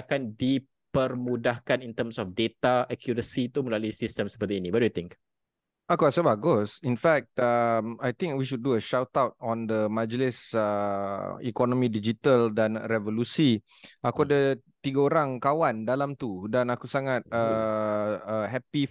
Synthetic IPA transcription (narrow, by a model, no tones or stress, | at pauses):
akandi | pərmudahkanint̪əmsɔfdet̪aɛkʰjuɾəsit̪uməlaluisistəmsəpət̪iinĩbadjut̪ɪ̃ŋk | akuasəbaɡʊsinfɛk̚t̪əmajt̪ɪ̃ŋkwiʃud̚ːuəʃawt̪awt̪̚ɔ̃nd̪əmãd͡ʒlɪsə | ḭkɔnɔ̃mĩdid͡ʒit̪əldanrɛvolusi | akuadət̪iɡaoɾaŋkawandalamt̪udanakusaŋat̪̚ə | əɦɛpi